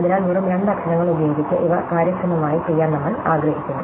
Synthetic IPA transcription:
ɐðinaːlmuːrumɾeɳɖ̪ɐkʂɐɳɐŋːɐɭubjo̞ːɡit͡ɕːɨʔiʋɐkaːɾjɐkɾɐmɐmaːjit͡ɕe̞jːaːnnɐmːɐɭaːɡɾɐhikʲːunːu

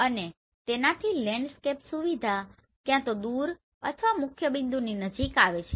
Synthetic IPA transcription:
əne | t̪enat̪ʰilɛ̃ɳɖskepsuʋid̪ʱa | kjãt̪od̪uɾ | ə̰t̪ʰʋamʊkʰjəbind̪uninəd͡ʒikaʋet͡ʃʰe̥

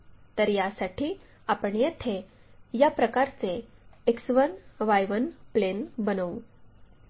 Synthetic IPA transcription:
t̪əɾjasaʈʰiː | apəɳjet̪ʰe | japɾəkaɾt͡seːksʋənʋajʋənplenbənəʋu

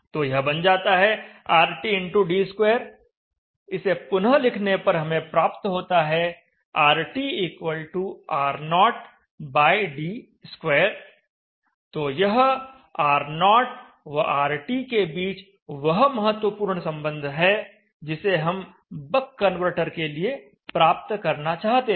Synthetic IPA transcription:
t̪oːjɐɦbɐnd͡ʒaːt̪aɦɛaːɾʈiɪ̃ɳʈuɖiːskweːɾ | ɪsepʊnəlɪkʰnepɐɾɦɐmẽpɾaːpt̪ɦoːt̪aɦɛ | aːɾʈiiːkwəlʈuaːɾnɔːʈ | baːɪɖiː | skweːəɾ | t̪oːjɐɦ | aːɾnɔːʈ | ʋɐaːɾʈikebiːt͡ʃ | ʋɐɦmɐɦət̪ːwəpuːɾɳsɐ̃mbə̃nd̪ʱɦɛ | d͡ʒɪseɦɐm | bəkːənʋəɾʈəɾkelie | pɾaːp̚t̪kɐɾnat͡ʃaːɦt̪e

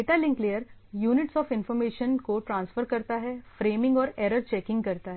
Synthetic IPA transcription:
eːʈalɪ̃ŋklejəɾjuːnɪʈsɔːfɪ̃nfɔɾmeːʃənkoʈɾãːnsfəɾkɐɾt̪aɦɛfɾeːmɪ̃ŋɡɔːɾeːɾəɾt͡ʃɛːkɪ̃ŋɡkɐɾt̪aɦɛ

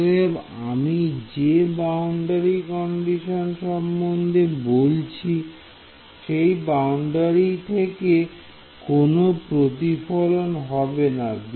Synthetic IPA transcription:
ebamid͡ʑebawɳɖaɾikɔɳɖiʃonʃɔmːond̪ʱebolt͡ɕʰi | ʃejbawɳɖaɾit̪ʰeke | konopɾot̪̬ifolonɦɔbenad̪

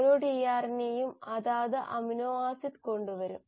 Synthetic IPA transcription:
loːɽijaːrnejumɐðaːðɨʔɐminoːaːsit̪ko̞ɳɖuʋɐɾum

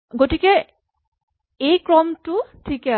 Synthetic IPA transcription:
ɡotikɛ | ejkɹɔmtʊtʰikɛ

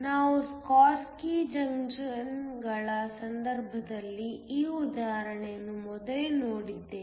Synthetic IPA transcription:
naːʋuskaːskid͡ʒɐŋd͡ʒnɡɐɭɐsɐnd̪ɐɾbʱɐd̪ɐlːiiːud̪aːɦɾɐɳejɐnːumɔd̪ɐlenoːɽid̪ːeː

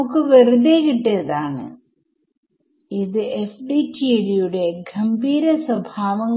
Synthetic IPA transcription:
ukːɨʋeruðeːkiʈːɐɐðaːɳɨ̰ | iðɨefɖitːielijuɽe̞ɡʱɐmbʱiːɾɐswɐbʱaːʋɐŋː

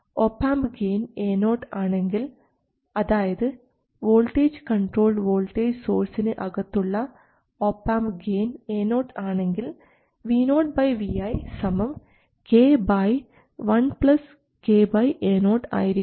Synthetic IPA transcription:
oːpːaːmbɡeːneːnoːʈːaːɳe̞ŋɡil | ɐðaːjɐðɨ | ʋo̞ːlʈeːd͡ʑkɐɳʈro̞ːlʋoːlʈeːd͡ʑso̞ːɾsinɨʔɐɣɐt̪ːuɭːɐ | opːaːmbɡeːneːno̞ːʈaːɳe̞ŋɡil | ʋiːnoːʈ̚bɐjʋiɐjsɐmɐʋ | keːbɐj | ʋɐnpɭɐs | keːbɐjʔeːnoːʈa̰ːjiɾi

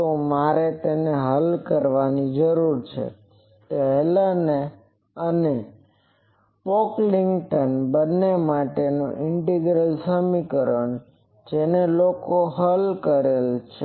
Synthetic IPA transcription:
t̪omaɾet̪eneɦəlkəɾʋanid͡ʒəɾuɾt͡ʃʰḛ | t̪əɦlane | əne | pokliŋɡʈənbənːemaʈenũʔɪɳʈiɡɾəlsəmikəɾəɳ | d͡ʒenelokoɦəlkəɾelt͡ʃʰe

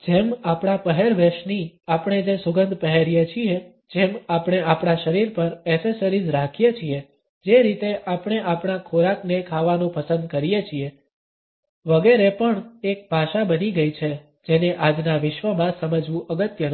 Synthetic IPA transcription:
d͡ʒemapɳ̃apəɦeɾʋeʃniapɽ̃ed͡ʒesʊɡənd̪ʱpəɦeɾijet͡ʃʰie | d͡ʒemapɽ̃eapɽ̃aʃəɾiɾpəɾɛsesəɾid͡ʒɾakʰijet͡ʃʰie | d͡ʒeɾit̪eʔapɽ̃eʔapɳ̃akʰoɾaknekʰaʋanũpəsə̃nd̪̚kəɾijet͡ʃʰie | ʋəɡeɾepəɳek̚bʱaʃabəniɡəjt͡ʃʰe | d͡ʒeneʔad͡ʒnaʋɪʃʋəmãsəməd͡ʒʋũʔəɡət̪jən

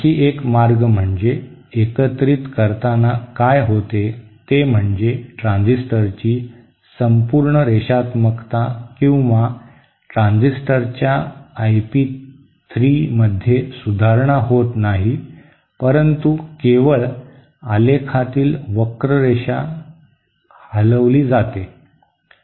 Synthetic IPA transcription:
iːʔekmaɾɡm̤əɳd͡ze | ekət̪ɾit̪kəɾt̪anakajɦot̪et̪em̤əɳd͡zeʈɾãnd͡zisʈəɾt͡ɕiː | səmpuɾɳəɾeɕat̪məkt̪akĩw̃ʋa | ʈɾãnd͡zisʈəɾt͡ɕjaːjpiː | t̪ʰɾiːməd̪ʱːjesud̪ʱaɾɳaɦot̪naɦi | pəɾənt̪ukeʋəɭ | alekʰat̪iːlʋəkɾəɾeɕa | hələʋliːd͡zat̪e

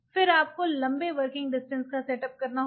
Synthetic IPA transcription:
fɪɾaːp̚kolɐ̃mbeʋɐɾkɪ̃ŋɡɖɪsʈə̃nskasɛːʈɐp̚kɐɾnaɦ

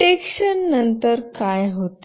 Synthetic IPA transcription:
ekɕənːənt̪əɾkajɦot̪

